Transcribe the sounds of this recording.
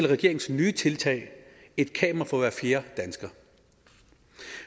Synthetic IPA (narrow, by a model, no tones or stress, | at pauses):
elʁɛɡ̥e̝ɐeŋn̩snyːt͡sʰe̝lt͡sʰɛ̰ɪe̝d̥kʰɛ̰ːmɐfɒʋæɐfle̝ːɐd̥ænsɡ̥ɐː